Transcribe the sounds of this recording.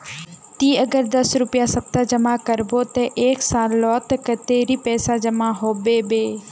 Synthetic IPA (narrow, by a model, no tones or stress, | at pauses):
t̪iːəɡəɾd̪ɐsɾʊpɪjasɐb̚t̪ad͡ʒɐmakəɾboːt̪ɐʔeːksãːlɔːt̪kət̪eːɾiːpɛːsad͡ʒɐmaɦoːbeːbeː